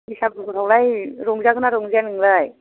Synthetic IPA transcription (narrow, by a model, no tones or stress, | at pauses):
isap̚ɾʰawlajɾoŋzakʰɯnaɾoŋzianɯŋləj